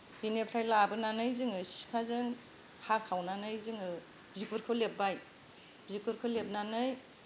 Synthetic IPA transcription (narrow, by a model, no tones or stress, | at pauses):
binepʰɾajlabɯnanɯjzɯŋɯsi̥kʰazɯŋ | hakʰawnanɯjzɯŋɯ | bzikuɾkʰɯlep̚baj | bzikuɾkʰɯwlep̚nanɯj